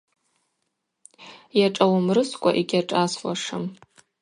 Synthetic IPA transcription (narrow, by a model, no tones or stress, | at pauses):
jaʈ͡ʂʼawmrɨskʷʼa̰ʔeɡʲaʈ͡ʂʼaswa̰ʂɨm